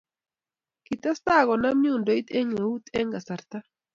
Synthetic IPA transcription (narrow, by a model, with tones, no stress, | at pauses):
ki˨t̪a˦st̪a˦˨ɣɔ˨na˦mju˦˨ndo˨˦i˦t̪e˦ŋe˨u˦t̪ɛ˦ŋɡa˨sa˨ɾt̪a˦